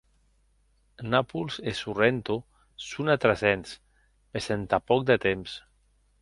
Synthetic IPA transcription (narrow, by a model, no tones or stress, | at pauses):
napulsesurent̪o | sunat̪ɾazɛns | pesent̪apɔk̚d̪ət̪ems